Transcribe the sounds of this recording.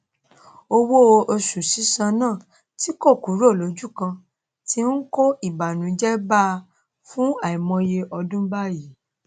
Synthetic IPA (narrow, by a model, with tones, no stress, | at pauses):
o˧wo˦o˧ʔo˧su˨si˨˦sã˧nãː˦˨ | ti˨˦ko˦˨ku˨˦ɾo˦˨lo˨˦d͡ʒu˦˨kã˧ | ti˧n̩˦ko˦i˦˨ba˨nũ˨d͡ʒɛ˦ba˦˧ | fũ˦a˨i˨mɔ̃˧je˧ʔɔ˧dũ˦ba˦ji˨˦